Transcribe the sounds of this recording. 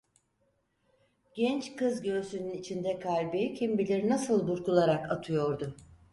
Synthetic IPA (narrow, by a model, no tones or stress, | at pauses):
ɟ̥ɛnt͡ʃkɯzɟø̞ːsynynit͡ʃʰind̪ɛkʰalʲbicʰimbilʲeɾinasɯlˠbuɾkulˠaɾakat̪ʰɯjo̞ɾd̪ʊ